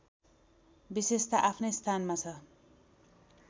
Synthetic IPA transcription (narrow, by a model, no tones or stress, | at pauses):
bisest̪aʔapʰnʌjst̪ʰanmat͡sʰʌ